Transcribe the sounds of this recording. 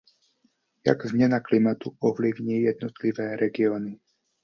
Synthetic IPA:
ja̰ɡzmɲɛnaklimat̪uɔʋliʊɲiːjɛd̪̚nɔt̪liʋɛːɾɛɡiɔːni

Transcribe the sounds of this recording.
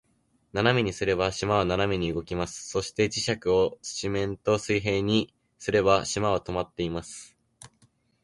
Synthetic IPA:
nanamʲiɲ̟isɨɾe̞baɕimaβ̞ananamʲiɲ̟iɯ̟ɡo̞kʲimasɨ̥so̞ɕi̥t̪e̞d͡ʑiɕakɯ̟o̞t͡sɨ̥t͡ɕimẽ̞nt̪o̞sɨiɦe̞ːɲ̟i | sɨɾe̞baɕimaβat̪o̞mat̪ːeimasɨ̥

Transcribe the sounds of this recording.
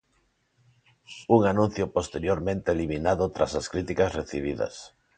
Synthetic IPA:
uŋanũn̟θjʊpost̪eɾjoɾmẽnt̪eːliminaðʊt̪ɾasaskɾit̪ikasreθiβ̞iðɐ̰s

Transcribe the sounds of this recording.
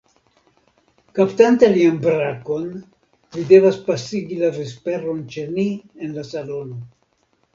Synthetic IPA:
kaptantalianbɾako̞n | lide̞vaspasiɡilaɾespe̞ɾo̞nt͡ʃe̞nienlasalo̞no̞

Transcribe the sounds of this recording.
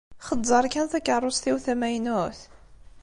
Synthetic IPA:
χədˤːɑɾˤkænθækːərˤʊsθiwθæmæjnʊθ

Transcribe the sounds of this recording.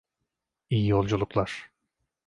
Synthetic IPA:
ijijolˠd͡ʒulˠuklˠaɾ̥

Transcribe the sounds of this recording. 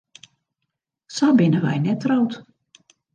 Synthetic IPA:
sabɪnəʋɛ̰jnɛtrowt

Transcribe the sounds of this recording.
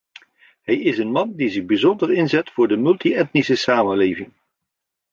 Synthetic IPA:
ɦɛjɪsənmɑndizɪɣbizɔndərɪnzɛtfʊːɹdəmɵlˠtiɛtnisəsaːmənlejvɪŋ

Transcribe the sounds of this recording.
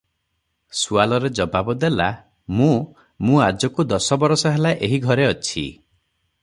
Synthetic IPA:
sualɔɾed͡ʒɔbabɔd̪ela | mũ | mũad͡ʒɔkud̪ɔsɔbɔɾɔsɔɦelaʔeɦiɡʱɔɾeɔt͡ʃʰḭ

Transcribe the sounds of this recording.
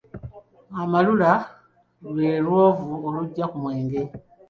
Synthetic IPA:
amalula | lwe̞ːlwoːvuoluɟːakumwe̞ːŋɡe̞

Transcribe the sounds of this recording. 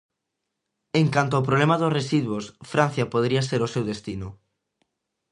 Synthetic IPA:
eŋkant̪ʊopɾoβlemaðʊsresiðwosfɾan̟θjɐpoð̞ɾiɐseɾʊsewðest̪inʊ

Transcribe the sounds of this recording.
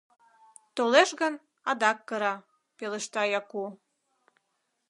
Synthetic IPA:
t̪oleʃɣən | ɑd̪ɑkːɤɾɑ | pelə̆ʃt̪ɑjɑku

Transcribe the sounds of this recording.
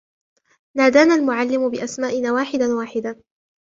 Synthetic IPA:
naːd̪aːnalmʊʕalːɪmʊbɪʔasmaːʔɪnaːwaːħɪd̪anwaːħɪd̪a

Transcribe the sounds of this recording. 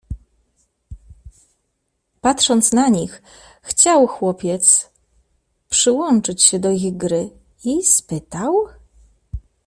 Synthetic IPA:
pat̪ʂɔnt̪snaɲix | xt͡ɕawxwɔpʲjɛt̪s | pʂɘwɔnt͡ʂɘt͡ɕɕɛd̪ɔiɣɡɾɘ | ispɘt̪aw

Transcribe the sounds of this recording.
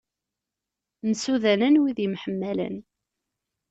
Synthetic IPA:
nəsuðænænwiðjəmħəmːælæ̰n

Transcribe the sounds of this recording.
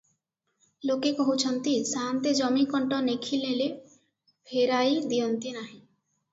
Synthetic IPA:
lokekɔɦut͡ʃʰɔnt̪isant̪ed͡ʒɔmikɔɳʈɔnekʰilele | pʰeɾajd̪ijɔnt̪inaɦĩ

